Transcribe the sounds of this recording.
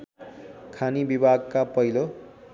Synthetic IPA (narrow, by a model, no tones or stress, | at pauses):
kʰanibibʱaɡkapʌɦilo